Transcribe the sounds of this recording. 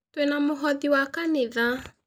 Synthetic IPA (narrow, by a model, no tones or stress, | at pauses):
twenamoɦɔðiwakaneða